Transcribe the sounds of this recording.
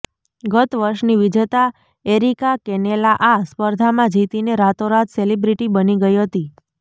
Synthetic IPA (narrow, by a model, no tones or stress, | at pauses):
ɡət̪ʋəɾʃniʋid͡ʒt̪a | eɾikakɛnelaʔaspəɾd̪ʱamãd͡ʒit̪ineɾat̪oɾat̪selibɾiʈibəniɡəiɦət̪i